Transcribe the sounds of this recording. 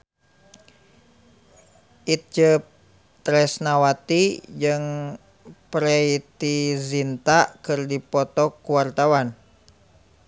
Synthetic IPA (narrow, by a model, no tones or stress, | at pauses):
ʔit̪̚d͡ʒəp̚ | t̪ɾɛsnawat̪id͡ʒɨŋ | pɾɛit̪izint̪aʔkɨrdipɔt̪ɔkuwart̪awan